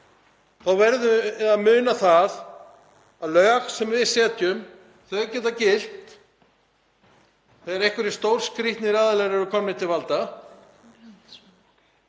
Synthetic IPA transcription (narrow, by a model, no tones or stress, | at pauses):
θawvɛɾðʏaðmʏːnaθaθ | aðlœːxsɛmvɪðsɛːt̪jʏm | θœʏɾcɛːt̪acɪl̥t̪ | θɛðɾehkvʏɾɪst̪owɾ̥skɾiht̪nɪɾaðalɛɣɾɛɾʏkʰɔmːɪ̥t̪ʰɪlvalt̪a